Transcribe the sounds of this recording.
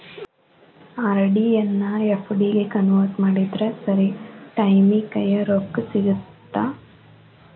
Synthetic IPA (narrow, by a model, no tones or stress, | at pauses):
aɾɖijɐnːɐefʰɖiɡekɐnʋɐːsmaːɽid̪ɾesɐɾiʈɐjmikɐjɐɾoːkːsiɡut̪ːa